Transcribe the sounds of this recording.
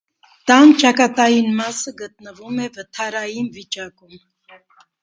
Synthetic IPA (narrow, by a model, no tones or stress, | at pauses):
t̪ɑnt͡ʃɑkɑt̪ɑjinmɑsəɡət̪̚nəvumɛvət̪ʰɑɾɑjinvit͡ʃɑkum